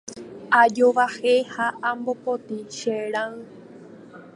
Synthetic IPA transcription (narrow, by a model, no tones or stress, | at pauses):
ad͡ʒoʋahehaambopot̪iʃeɾãɨ̃